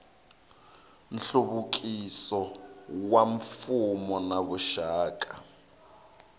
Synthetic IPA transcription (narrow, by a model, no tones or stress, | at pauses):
n̩ɬuβuk̬ʼisɔwaɱfumɔnaβuʃaːkʼa